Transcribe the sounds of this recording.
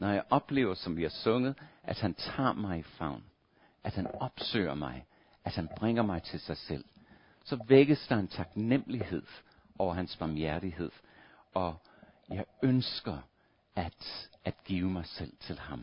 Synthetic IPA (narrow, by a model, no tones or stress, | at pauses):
nɒjɑ̈ɪʔɒ̽b̥le̝̰ːʊɐsɒ̽mʋiæɐsɔ̽ŋəð̩ˠʔæd̥hænt͡sʰɑ̰̈ːmɑ̈ɪifɑ̈ʊ̰n | ʔæd̥hænɒ̽b̥sø̰ːɐmɑ̈ɪ | ʔæd̥hænb̥ʁɛŋ̰ɐmɑ̈ɪt͡sʰe̝lsɑ̈ɪsel̰ | sɒ̽ʋeɡ̥əsd̥ɑ̈ent͡sʰɑ̈ɡ̥nem̰əlihe̝ð̞̰ˠ | ʔɒʊɐɦænsb̥ɑ̈mjæɐɾiɦe̝ð̰ˠ | ɒ̽ | jɑ̈ɪønsɡ̥ɐ | æd̥æd̥ɡ̥iːʊmɑ̈ɪsel̰t͡sʰe̝lhɑ̈m